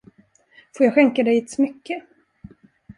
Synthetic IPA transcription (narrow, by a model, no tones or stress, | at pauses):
foːɾjɑːɧɛŋkad̪ɛjɪt̪smʏkːə